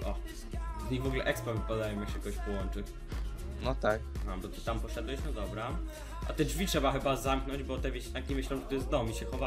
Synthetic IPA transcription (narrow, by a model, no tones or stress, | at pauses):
ʔɔ | vɲivɔɡlɛʔɛkspɾavɘpad̪ajɔmjakɕɛkɔɡɔɕʲpɔwɔnt͡ʂɘ | nɔt̪ak̚abɔt̪ɨt̪ampɔʂɛd̪wɛɕnɔd̪ɔbɾa | ʔa̰t̪ɛd͡ʐvʲitʂɛbaxɘbazamknɔɲd͡ʑbɔt̪ɛvʲeɕɲʲakʲimɘɕlɛ̃w̃ʐɛt̪ɔjɛst̪d̪ɔwmiɕɛxɔva